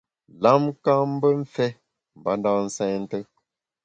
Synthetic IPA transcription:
la˦mka˦m˦bə˦m̩˦fɛ˦ | m̩˨ba˨˦nda˦n̩˦sɛ˦ɲn̩˦tə˦

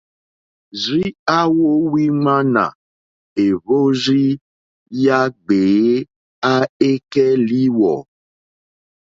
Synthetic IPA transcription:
zi˦a˦wo˦wi˦ŋ͡ma˦nã̰˨ | e˨βo˦zi˦ | ja˦ɡ͡be˨˦ | a˦e˦kɛ˦li˦wɔ̰˨

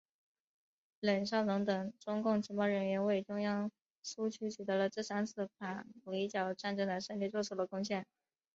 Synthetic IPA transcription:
lə˨˩nɕjɑ˥˩ʊnʊ˧˥ŋt̪ɤ˨˩ŋʈ͡ʂʊ˥ŋkʊ˥˩ŋt͡ɕʰi˧˥pɑ˥ʊɻə˧˥nɥɛ˧˥nwe˥˩ɪʈ͡ʂʊ˥ŋjɑ˥ŋ | ʂu˥t͡ɕʰy˥t͡ɕʰy˨˩t̪ɤ˧˥lə˧ʈ͡ʂɤ˥˩sa˥nt͡sʰɹ̩˥˩pʰa˨˩u˧˩i˧˥t͡ɕjɑ˨˩ʊʈ͡ʂa˥˩nʈ͡ʂɤ˥ŋd̪ə˨˩ʂə˥˧nli˥˧t͡swɔ˥˩ʈ͡ʂʰu˨˩d̪ə˧˩kʊ˥ŋɕjɛ˥˩n

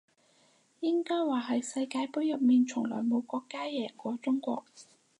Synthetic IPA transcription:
jɪ˥ŋkɔː˥jwaː˨ɦɐ˨˥jsɐ˧jkaː˧jpʊ˥ɥjɐ˨p̚miː˨˩nt͡ʃʰʊ˨˩ŋlɔ̰ː˨˩jmo˨˧wkɔː˧kːaː˥jɛː˨˩kʷɔː˨˧˥t͡sʊ˥ŋkʷɔ̰ː˧k̚

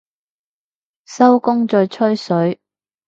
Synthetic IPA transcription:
sɐ˥wkʊ˥ŋt͡sɔː˧jt͡ʃʰɵ˥ɥsɵ˨˥ɥ

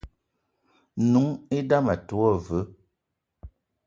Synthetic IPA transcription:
nu˨˦ŋe˦da˦ma˨tu˨˦ɔ˦˨və˨˦

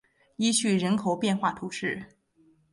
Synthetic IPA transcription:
i˥ɕy˥˩ɻə˧˥nkʰo˨˩ʊpjɛ˥˧nxwa˥˩t̪ʰu˧˥ʂɻ̩˥˩

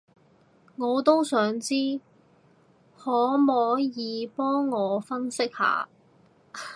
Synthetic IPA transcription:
ŋɔː˨˧t̪o˥wsœː˨˥ŋt͡siː˥ | hɔː˨˥mɔː˨˧˥jiː˨˧pɔː˥ŋːɔː˨˧fɐ˥nsɪ˥k̚ha̰ː˨

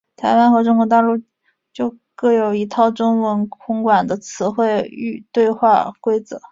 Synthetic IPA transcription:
t̪ʰa˧˥ɪwa˥nxɤ˧˥ʈ͡ʂʊ˥ŋkwɔ˧˥t̪a˥˧lu˥˧ | t͡ɕjo˥˧ʊ | kɤ˥˩jo˨˩ʊi˧˥t̪ʰɑ˥˩ʊʈ͡ʂʊ˥ŋwə˧˥nkʰʊ˧˥ŋkwa˨˩nd̪ə˦t͡sʰɹ̩˧˥xwe˥˧ɪy̰˥˧t̪we˥˧ɪxwa˥˩kwe˥ɪt͡sɤ˧˩˦

